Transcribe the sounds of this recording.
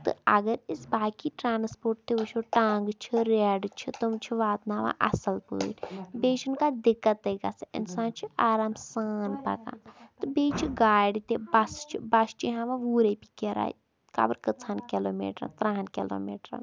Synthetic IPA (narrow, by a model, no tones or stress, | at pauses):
t̪ɨ̰ɐɡəɾisbaːkiʈɾaːnspoːɾʈ̚t̪eʋut͡ʃʰoʈaːŋɡt͡ʃʰiɾeɖt͡ʃʰit̪umt͡ʃʰiʋaːt̪naːʋã̰ʔɐsɐlpə̰ːʈʲbeːt͡ʃʰunkad̪ɪkːət̪eɡasɪ̰nsãːnt͡ʃʰiʔaːɾaːmsaːnpɐ̰kã̰ːt̪ɨbeːt͡ʃʰiɡaːjɖt̪ebɐst͡ʃʰibɐst͡ʃʰiɦãːʋãʋuːɾepikeɾa̰ːj | ka̰ːbəɾkət͡sʰaːnkiloːmḛːʈɾɐ̰nt̪ɾaːnkilo̰ːmḛːʈɾa̰n